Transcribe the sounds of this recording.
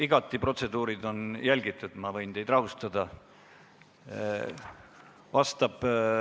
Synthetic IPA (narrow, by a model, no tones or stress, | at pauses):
iɡ̥ɑt̪ːˑipro̞t̪se̞d̪uːɾid̪o̞njælʲɡ̥it̪ːˑud̪̥mɑvɤjnt̪e̞jd̪̥rɑvust̪ɑd̪̥ɑ | vɑst̪ɑb̥